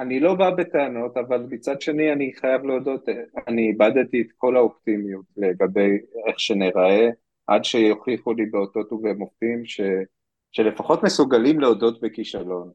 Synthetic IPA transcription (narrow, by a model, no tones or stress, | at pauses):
anilo̞babe̞t̪eano̞tavalmit͡sadʃe̞nianiχajavleodo̞taniːbadetiːt̪ko̞laoptimijutle̞ɡabe̞je̞χʃe̞neʁae̞ | ʔa̰dʃejoχiχulibeot̪o̞tuvemoftimʃe | ʃe̞lefaχo̞tmesuɡalimleodo̞tbe̞kiʃalo̞n